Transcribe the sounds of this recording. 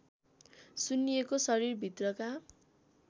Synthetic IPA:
sunːijekosʌɾirbʱit̪rʌka

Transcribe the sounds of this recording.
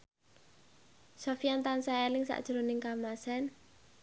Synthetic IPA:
sofijant̪ansaalɪŋsa̰ʔd̥ʒ̥ɾonɪŋkamasɛn

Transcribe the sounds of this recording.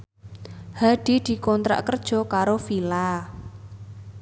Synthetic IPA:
haɖ̪̥i̤d̪̥i̤kɔnt̪ɾa̰ʔkərd̥ʒ̥ɔ̤kaɾofila

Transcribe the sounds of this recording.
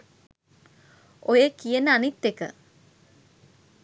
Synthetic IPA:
ojekijənəanit̪ːekə̰

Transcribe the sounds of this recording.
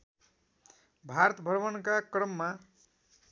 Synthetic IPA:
bʱaɾʌt̪ʌbʱʌrbʌnkakrʌmːa

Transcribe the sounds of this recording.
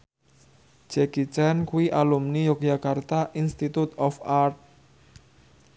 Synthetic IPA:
d͡ʒ̥ɛɡ̥it͡ʃankuiʔalumnijokjakart̪aʔinst̪it̪ut̪ɔfart̪̚

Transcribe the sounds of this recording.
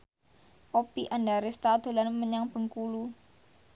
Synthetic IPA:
ʔopiʔanɖaɾɪst̪ad̪̥o̤lanməɲaŋb̥ə̤ŋkulu

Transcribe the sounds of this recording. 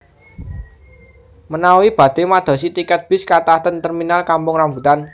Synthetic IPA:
mənawib̥ä̤d̪̥e̤mad̪̥ɔ̤sit̪ikɛt̪̚b̥ɪ̤skat̪at̪ənt̪ərminalkampʊŋrambṳt̪an

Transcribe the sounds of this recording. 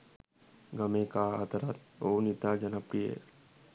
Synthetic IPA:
ɡəmẽka̰t̪əɾat̪oːnɪt̪ad͡ʒənəpɾiḛ

